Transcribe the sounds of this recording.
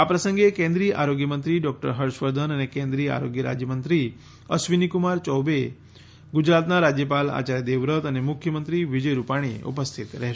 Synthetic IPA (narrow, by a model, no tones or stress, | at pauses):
apɾəsə̃ŋɡekẽnd̪ɾiːəʔaɾoɡjəmənt̪ɾiɖɔk̚ʈəɾɦəɾʃʋəɾd̪ʱənənekẽnd̪ɾijəa̰ɾoɡjəɾa̰d͡ʒjəmənt̪ɾi | əsʋinikumaɾt͡ʃɔwbe | ɡʊd͡ʒɾat̪naɾad͡ʒjəpala̰t͡ʃaɾjəd̪eʋɾət̪ənemʊkʰjəmənt̪ɾiʋid͡ʒəjɾupaɽ̃ḭṵpəst̪ʰit̪ɾɛɦʃ